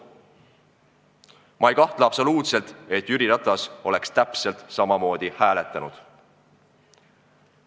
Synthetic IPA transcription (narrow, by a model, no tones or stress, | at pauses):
mʔɑejkɑht̪lɑɑpso̞luːt̪se̞lt̪e̞t̪ːyɾiɾɑt̪ːˑɑso̞le̞kst̪æpse̞lt̪sɑmɑmo̞ːd̪̥ihæːle̞t̪ːˑɑnud̪̥